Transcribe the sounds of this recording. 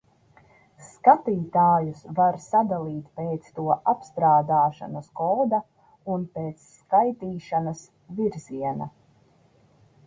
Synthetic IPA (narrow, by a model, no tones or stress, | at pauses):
skat̪iːt̪aːjusvaɾsad̪alˠiːt̪peːt̪st̪uɔʔapst̪ɾaːd̪aːʃa̰nɐskɔːd̪a | unpeːt̪sːkajt̪iːʃanɐs | viɾziɛna